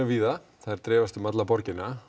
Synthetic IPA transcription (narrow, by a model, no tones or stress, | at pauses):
ʏviːða | θaðɛɾ̥t̪ɾɛːvast̪ʏmat̪lapɔɾcɪnːa